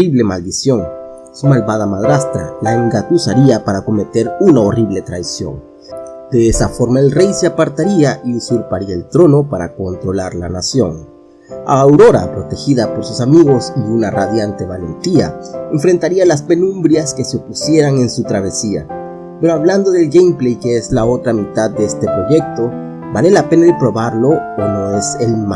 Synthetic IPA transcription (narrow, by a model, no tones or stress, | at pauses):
iβle̞mald̪isjo̞ŋ | sumalβað̞amaðɾast̪ɾa̰laeŋɡat̪usaɾiapaɾako̞me̞t̪e̞ɾunao̞riβle̞t̪ɾajsjo̞̰ŋ | d̪̥e̞esafo̞ɾmaelre̞jseapaɾt̪aɾiaʔiusuɾpaɾiaelt̪ɾo̞no̞paɾa̰ko̞nt̪ɾo̞laɾla̰nasjo̞ŋ | a̰ːwɾo̞ɾa̰pɾo̞t̪e̞xiðapo̞ɾsusamiɣo̞siunaraðjant̪e̞βale̞̰nt̪ia̰eɱfɾe̞nt̪aɾialaspe̞nũmbɾjaske̞seo̞pusje̞ɾaŋe̞nsut̪ɾaβ̞e̞sia̰ | peɾoaβland̪o̞ðe̞lɡejmplejkeezlao̞t̪ɾamit̪ad̪̚d̪eest̪e̞pɾo̞ʝe̞k̚t̪o̞ | bale̞lape̞naelpɾo̞βaɾlo̞ono̞eselm